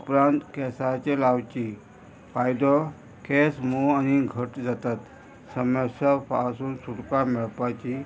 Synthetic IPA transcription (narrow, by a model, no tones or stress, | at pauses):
upɾãnt̪kɛsat͡ɕelawt͡ɕi | fajd̪ɔ | kɛsmoañiɡʱəʈd͡zat̪at̪ | səməsapasuːnsuɽkamɛɭpat͡ɕi